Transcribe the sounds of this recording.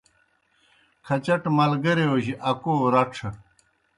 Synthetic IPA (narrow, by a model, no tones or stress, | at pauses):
kʰɐt͡ɕɐʈmɐlɡɐɾeoʑiʔɐkoːɾɐʈ͡ʂʰɐ